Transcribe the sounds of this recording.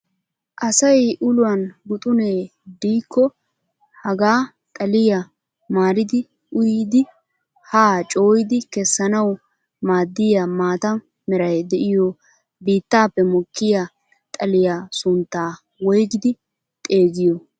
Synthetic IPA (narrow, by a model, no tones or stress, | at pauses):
ʔɐsɐjʔʊlʊwɐnɡʊt̪ʼʊneːd̪iːkʰːɔ | hɐɡaː | t̪ʼɐlɪjɐ | maːɾɪd̪ɪ | ʔʊjd̪ɪ | haːt͡ʃʼo̞ːjɪd̪ɪkɛsːɐnɐw | maːd̪ːɪjɐmaːt̪ɐn | mɛɾɐjd̪ɛʔɪjɔ | biːt̪ːaːpːɛmɔkːɪja | t̪ʼɐlɪjasʊnt̪ːaː | wɔjɡɪd̪ɪ | t̪ʼe̞ːɡɪjɔ